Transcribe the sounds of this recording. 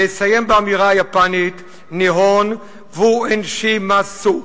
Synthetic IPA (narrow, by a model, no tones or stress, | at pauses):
esajembaamiʁaːjapanit | neɦon | vuenʃimasu